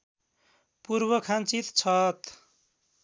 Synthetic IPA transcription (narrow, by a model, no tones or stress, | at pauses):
purbʌkʰant͡sit̪t͡sʰʌt̪